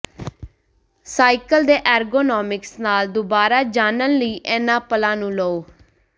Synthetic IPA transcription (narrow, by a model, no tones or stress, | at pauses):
saːikəld̪eːʔɛːɾɡoːnɔːmɪksnaːld̪ʊbaːɾaːd͡ʒaːnənləiːʔɛːnãːpəlãːnũːlooː